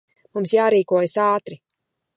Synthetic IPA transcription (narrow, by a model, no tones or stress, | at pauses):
mumsjaːɾiːkuɔjasaːt̪ɾi